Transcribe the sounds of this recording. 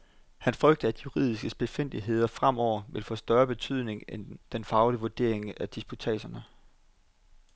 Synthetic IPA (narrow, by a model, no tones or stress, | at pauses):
hænfʁœɡ̥̚d̥əæd̥juʁḭð̞̰ˠisɡ̥əsb̥e̝fen̰d̥iɦe̝ð̞̰ˠɐfʁam̰ɒʊ̰ɐʋe̝lfɔ̰̽ːsd̥ɶɐb̥e̝t͡sʰyð̰ˠne̝ŋend̥enfɑ̈ʊliʋuɐd̥e̝̰ɐ̰eŋæd̥isb̥ut͡sʰɛ̰ːɕɐnə